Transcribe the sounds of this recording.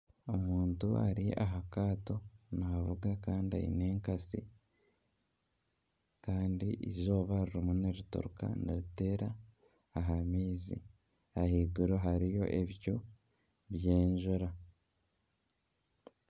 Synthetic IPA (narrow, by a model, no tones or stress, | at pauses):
omuːntua̰ɾiaɦakaːto̞naːvuɡakaːndia̰jḭne̞ːŋkasḭ | kaːndḭʔizo̞ːβaɾuɾumuneɾuto̰ɾuka̰naɾite̞ːɾaː | ɦamiːzḭ | ahiːɡuɾoɦaɾijo̞̰ʔeβico | βjeːɲʒuɾa